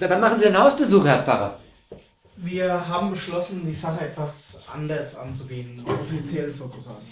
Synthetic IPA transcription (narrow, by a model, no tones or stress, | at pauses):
adanmaχn̩ziːdɪnhaʊsb̥əzuːχhɛɐp͡fa̰ʁɐ̰ | viːɐɦaːbm̩bəʃlɔsn̩diːzaχəɛtv̥asʔa̰ndɐsʔa̰nt͡suɡeːənɔfit͡sjɛlz̥oːt͡suza̰ːɡŋ̩